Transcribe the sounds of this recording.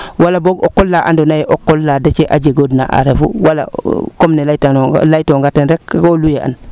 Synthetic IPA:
walaboɡokːolːaʔa̰ndonajeʔokːolːadat͡ʃeʔaɟeɡoːdna̰ʔa̰ɾefṵwala̰komnelajtanolajtoŋɡatenɾek̚ːolujeʔa̰n

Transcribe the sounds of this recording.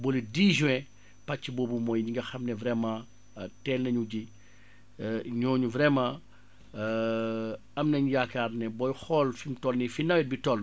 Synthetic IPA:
bɔlidiːʒũɛ̃ | pɐt͡ʃːibɔːbumɔːjɲiŋɡɐxɐmnɛvɾɛma | tɛːlnɐɲuɟi | ɲɔːɲuvɾɛma | ɐmnɐɲjakaɾnɛbɔjxɔlfintɔlnifinɐwɛt̚bitɔl

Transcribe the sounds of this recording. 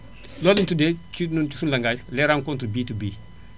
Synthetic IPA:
lɔlintudet͡ʃnut͡ʃusunlɐŋɡaːjlɛɾaŋkɔntɾbiːtubiː

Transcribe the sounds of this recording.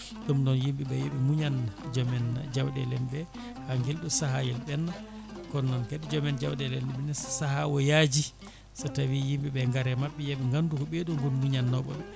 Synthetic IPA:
ɗɔmnɔnjimɓiɓɛjeɓimuɲand͡ʒɔmɛnd͡ʒawdɛlɛmbɛ | haŋɡilɗusaɦajɛlɓɛnːa | kɔnːɔnkeɗid͡ʒɔmɛnd͡ʒawdɛlɛmbɛɓɛnɛssahawɔjad͡ʒi | satawijimbiɓɛŋɡaɾɛmaɓːɛjaɓɛŋɡandukɔɓeɗumɡunmuɲanːɔɓɔ̰ɓɛ

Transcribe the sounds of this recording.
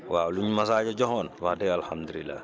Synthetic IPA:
waːluɲmasaːɟɔɟɔɦɔːnwadɛalhamd̪ulilːa̰ː

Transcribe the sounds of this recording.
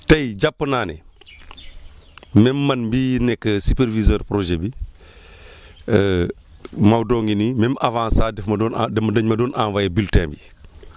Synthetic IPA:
tɐjɟapːənaːnɛ̰ | mɛmːɐnmbiːnɛkːəsupeɾvizəːɾpɾoʒɛbi | ə | mɐwdɔːŋɡinimɛmavãːnsaːdɛfmɐdɔndɛmɐdəɲmɐdɔːnʔã̰vajebiltɛ̰̃ːmbi

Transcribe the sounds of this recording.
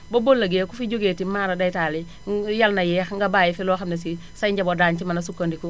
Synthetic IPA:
bobolːaɡekufiɟoɡetimaːɾadajtali | jalnajɛxŋɡabaːjifilɔxamnes̬i | sajɲɟabodaːɲt͡ʃimanasukːondiku

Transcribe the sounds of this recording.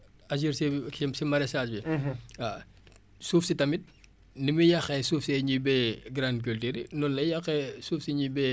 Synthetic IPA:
ɐd͡ʒ̬iɾsɛisimɐɾɛsaːsbia | suːfsitɐmit̚ | nimijɐxɛsuːfsɛɲibɛːɡɾank̬oltiɾinɔnlɐjɐxɛsuːfsiɲibɛ

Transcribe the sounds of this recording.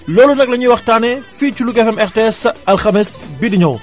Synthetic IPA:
lɔːlunɐk̚lɐɲiwɐxtaːnɛfit͡ʃulukɛfɛmɛɾteɛsɐlxɐmɛsbidiɲɔw

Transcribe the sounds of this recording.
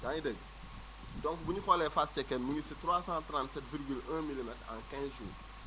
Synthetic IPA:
ɡanidɐɟ | dɔ̃ŋkbuɲixɔlɛfast͡ʃɛkːɛminisitɾwaːsãtɾãːntsɛtviɾɡylãmilimɛtã̰ŋkɛ̃sʒṵː

